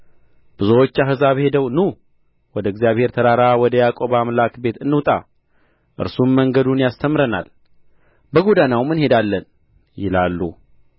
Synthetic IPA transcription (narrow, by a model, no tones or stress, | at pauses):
b̥ɨzowot͡ʃːaɦɨzaβhe̞d̪əwnu | wɔd̪əɨɡzijaβhe̞ɾt̪ʰəɾaɾawɔd̪əjakʼo̞bamlakbe̞t̪ɨnːɨwt̪ʼa̰ | ʔɨ̰ɾsumːəŋɡəd̪unjast̪ʰəmɾəna̰l | bəɡod̪anawmɨnhe̞d̪alːən | jɪlalːu